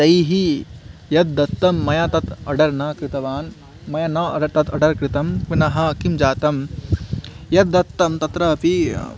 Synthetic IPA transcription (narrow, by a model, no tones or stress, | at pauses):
d̪ɐjɦijɐt̪̚d̪ɐt̪ːɐmːɐjat̪ɐt̪ɐɖɐɾnɐkɾɪt̪ɐʋaːn | mɐjɐnɐt̪ɐt̪ʰɐɖɐɾkɾɪt̪ɐmʋinɐɦɐkimd͡ʒaːt̪ɐm | jɐt̪̚d̪ɐt̪ːɐmt̪ɐt̪ɾɐɐpi